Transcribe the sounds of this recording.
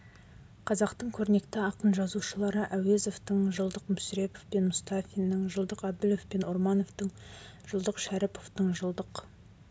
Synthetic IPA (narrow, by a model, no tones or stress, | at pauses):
qʰɑzɑqt̪əɴkʲʰɵɾne̞kt̪ɪɑqənʒɑzuʃəlˠɑɾəʔæwe̞zo̞ft̪əɴʒəlˠd̪əqmʏsɾe̞pofpe̞nmʊst̪ɑfʲijnːəɴʒəlˠd̪əqɑb̚d̪ɪlofpe̞noɾmɑno̞vt̪əɴʒəlˠd̪əqʃæɾɪpo̞ft̪əɴʒəlˠd̪əq